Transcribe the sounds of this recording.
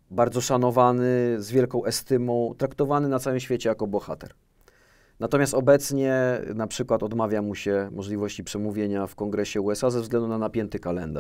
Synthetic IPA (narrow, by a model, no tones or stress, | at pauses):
baɾd̪zɔʂanɔvanɘzvʲjɛlkɔ̃w̃ʔɛst̪ɘmɔ̃w̃t̪ɾakt̪ɔvanɘnat̪sawɘmɕfʲet͡ɕɛjakɔbɔxa̰t̪ɛ̰ɾ | nat̪ɔmʲjast̪ɔbɛt̪sɲɛnapʂɘkwat̪ɔd̪mavʲjamuɕɛmɔʐlʲivɔɕt͡ɕipʂɛmuvʲjeɲafkɔŋɡɾɛɕɛuɛsazɛvzɡlɛnd̪unanapʲjɛnt̪ɘkalɛnd̪a̰ʂ